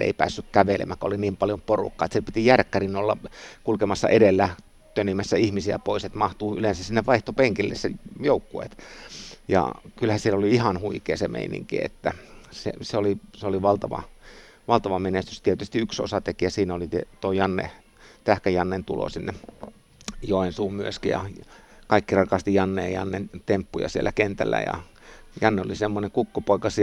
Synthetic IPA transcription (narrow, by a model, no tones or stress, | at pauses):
ḛˑipæ̰ːsːykkæʋelḛmækːo̰liniːmpɑljomporṵkːɑːet̪sielpit̪ijærkːærinolːɑkulkemɑsːɑ̰ʔedelːæ | t̪yønːimːæsːæihmisiæ̰poˑiset̪mɑht̪uːylensæssinːeʋʋɑiht̪opeŋkilːḛssejoukːuḛːt̪jɑ̰kylhæsielːoliihɑnhuikˑeːsemḛˑinḭŋkḭḛt̪ːæsḛseoliseoliʋɑlt̪ɑʋɑ̰ | ʋɑlt̪ɑʋɑmenest̪yst̪iet̪yst̪iykso̰sɑt̪ekijɑsiːnæolit̪t̪oijɑnːḛ | t̪æhkæjɑnːent̪ulo̰sinːe | joensuːmmyøskijɑ̰kɑikːirɑkɑst̪ijɑnːḛːjɑnːent̪empːujɑ̰sielːækent̪ælːæ̰jɑ̰ | jɑnːeolisemːoneŋkukːopoikɑsi